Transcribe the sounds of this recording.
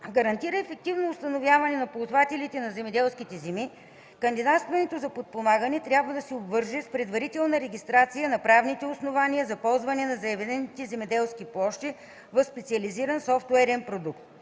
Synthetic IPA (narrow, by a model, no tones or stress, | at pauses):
ɡɐɾɐnt̪iɾəɛfɛk̚t̪ivnoːst̪ɐnovjavɐnɛnɐpolˠt̪vat̪ɛlit̪ɛnɐzɛmɛd̪ɛlˠskit̪ɛzɛmi | kɐnd̪id̪at̪st̪vɛnɛt̪ozɐpot̪̚pomaɡɐnɛt̪ɾʲjabvəd̪ɐsɛobvɤɾʒɛspɾɛd̪vɐɾit̪ɛlˠnəɾɛɡ̟ʲist̪ɾat̪sijənɐpɾavnit̪ɛʊsnovaniəzɐpɔlˠzvɐnɛnɐzɐɛvɛd̪ɛnit̪ɛzɛmɛd̪ɛlˠskiplˠɔʃt̪i | vɐfspɛt̪siɐliziɾɐnsɔft̪ɛɾɛnpɾod̪ukt̪